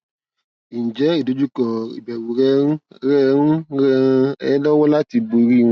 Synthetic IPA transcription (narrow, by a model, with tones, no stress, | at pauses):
i˨n̩˨d͡ʒɛ˨˦i˦˨do˨˦d͡ʒu˦kɔ˨ḭ˨bɛ˨wu˨ɾɛ˦ɾɛ˦n̩˦ɾɛ˧˦ɛ˦lɔ˦wɔ˦la˦ti˧bo˧i˧ɾi˦˨w̃